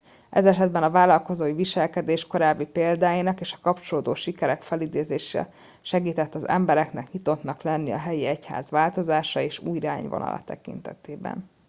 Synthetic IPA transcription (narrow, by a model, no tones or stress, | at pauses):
ʔɛzɛʃɛd̪bɛnɒvaːlɒlko̞zoːiviʃɛlkɛd̪eːʃko̞ɾaːbːipeːld̪aːjinɒkeːʃɒ̥kɒpt͡ʃo̞loːd̪oːʃikɛɾɛkfɛlid̪eːzeːʃɛ̰ | ʃɛɡiːt̪ɛt̪ːɒzɛ̰mbɛɾɛknɛkɲit̪o̞t̪nɒklɛnːiɒ̰ɦɛjiɛcha̰ːzʋaːlt̪o̞zaːʃɒeːʃṵːjɾaːɲvo̰nɒ̰lʔɒ̰t̪ɛ̰kḭnt̪ɛ̰t̪eːbɛ̰n